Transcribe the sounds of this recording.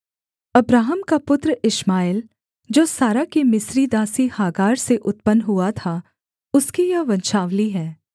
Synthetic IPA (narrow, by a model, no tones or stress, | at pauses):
ɐbɾaːɦəmkapʊt̪ɾəɪʃmaːɪl | d͡ʒoːsaːɾakemɪsɾid̪aːsihaːɡaːɾseʔʊt̪̚pənɦuat̪ʰa | ʊskijɐʋɐ̃nʃaːʋliɦɛː